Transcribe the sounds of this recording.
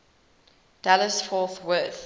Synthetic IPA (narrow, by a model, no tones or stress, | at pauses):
d̥aləsfɔˑθwɜˑθ